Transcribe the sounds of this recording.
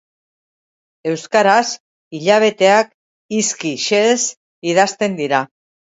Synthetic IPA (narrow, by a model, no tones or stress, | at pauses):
e̞wskaɾas | iʎaβ̞e̞t̪e̞ak | iskiʃes | iðast̪e̞nd̪iɾa